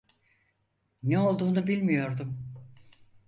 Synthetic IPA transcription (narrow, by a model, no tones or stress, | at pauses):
neo̞lˠd̪uːnubilʲmijo̞ɾd̪um